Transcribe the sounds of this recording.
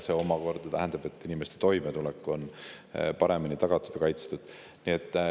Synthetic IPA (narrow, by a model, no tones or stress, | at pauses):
se̞o̞mɑko̞rd̪̥ɑt̪æ̰ɦænd̪̥ɑb̥e̞t̪ːˑinime̞st̪e̞t̪o̞jmet̪ulɛkːˑo̞n | pɑɾe̞minit̪ɑɡ̥ɑt̪ːˑu̥d̪̥ɑkɑjt̪st̪ud̪̥ | niet̪ˑː